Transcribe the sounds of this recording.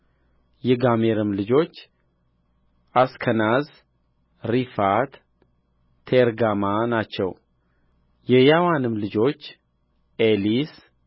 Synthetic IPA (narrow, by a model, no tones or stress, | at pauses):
jɛɡameɾɨmlɨd͡ʒo̞t͡ʃː | ʔaskʰənaz | ɾifat̪ːʰ | eɾɡamanat͡ʃːɛw | jɛjawanɨmlɨd͡ʒo̞t͡ʃː | ʔelis